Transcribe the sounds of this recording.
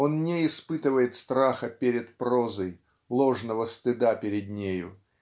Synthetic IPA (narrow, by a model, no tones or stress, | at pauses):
o̞nnʲeɪspɨt̪ɨvəjɪt̪st̪ɾaxəpʲeɾʲɪt̪pɾo̞zəj | lˠo̞ʐnəvəst̪ɨd̪apʲɪɾʲɪd̪nʲejʊ̰